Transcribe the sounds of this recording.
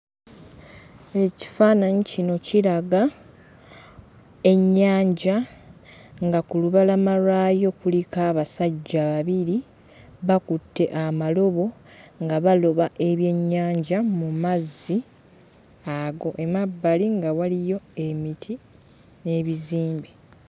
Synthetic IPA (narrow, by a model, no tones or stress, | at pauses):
eci̥faːnaɲicino̞cilaɡa | e̞ɲːaːɲɟa | ŋɡakuluβalamaɾaːjo̞kulikaːβasaɟːaβaβiɾi | βakutːe̞ʔamalo̞βo̞ŋɡaβalo̞βaʔe̞βje̞ɲːaːɲɟamumazːi | aɡo̞ʔe̞mabːaliŋɡawalijo̞e̞mitʰi | ne̞ːβiziːmbi